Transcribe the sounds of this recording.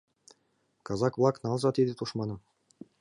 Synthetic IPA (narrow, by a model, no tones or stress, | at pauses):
kɑzɑkvlˠɑknɑlˠzɑt̪ed̪ʲet̪uʃmɑnɤ̆